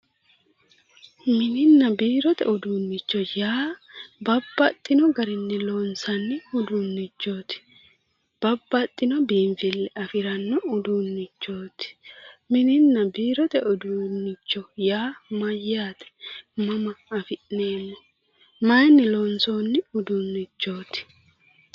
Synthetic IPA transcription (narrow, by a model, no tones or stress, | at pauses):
mɪnɪnːɐbiːɾɔt̪ɛ̰ʊd̪uːnːɪt͡ʃːɔjaːbɐbːɐt̪ʼːɪnɔɡɐɾɪnːɪloːnsɐnːɪʊd̪uːnːɪt͡ʃːo̞ːt̪ɪ̥ | b̥ɐbːɐt̪ʼːɪnɔbiːɱfɪlːɛɐfɪɾɐnːɔʊd̪uːnːɪt͡ʃːoːt̪ɪ̥mɪnɪnːɐbiːɾɔt̪ɛʔʊd̪unːɪt͡ʃːɔjaːmɐjːaːt̪ɛ̥mɐmɐːfɪʔneːmːɔ | mɐjnːɪloːnsoːnːɪʊd̪unːɪt͡ʃːo̞ːt̪ɪ̥